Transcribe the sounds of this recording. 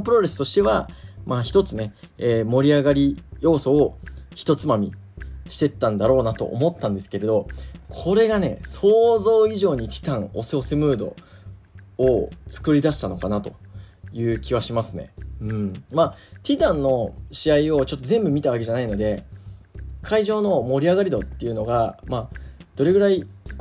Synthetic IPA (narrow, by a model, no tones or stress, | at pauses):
pɯɾo̞ɾe̞sɨ̥t̪o̞ɕi̥t̪e̞β̞amaçi̥t̪o̞t͡sɨne̞ | eːmo̞ɾʲiaɡaɾʲijo̞ːso̞ːçi̥t̪o̞t͡sɨmamʲḭ | ɕi̥t̪e̞t̪ːãnd̪aɾo̞ːnat̪o̞̰ʔo̰mo̞t̪ːãnd̪esɨ̥ke̞ɾe̞d̪o̞kʰo̞ɾe̞ɡane̞̰so̞ːzo̞ːiʑo̞ːɲ̟it̪ʲʰi̥t̪ãŋo̞seo̞semɯ̟ːd̪o̞̰ | ot͡sɨ̥kɯ̟ɾʲid̪aɕi̥t̪ano̞kanat̪o̞̥̰ | jɯ̟ːkʲiβaɕimasɨne̞̰ɯ̟̃ɴmat̪ʲit̪ãnːo̞ɕiaio̞t͡ɕo̞t̪ːozẽ̞mbɯ̟mʲit̪aβ̞ake̞ʑanaino̞d̪e̞ | kʰaiʑo̞ːno̞mo̞ɾʲiaɡaɾʲid̪o̞t̪ːe̞jɯ̟no̞ɡamad̪̥o̞ɾe̞ɡɯ̟ɾai